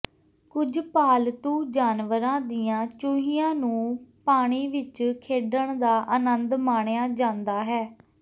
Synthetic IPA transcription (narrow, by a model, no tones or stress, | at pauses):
kʊd͡ʒpaːlt̪uːd͡ʒaːnʋəɾãːd̪iːãːt͡ʃʊɦijãːnũːpaːɳ̃iːʋɪt͡ʃkʰeːɖəɳd̪aːʔənənd̪maːɳ̃ejãːd͡ʒãːnd̪aːɦɛː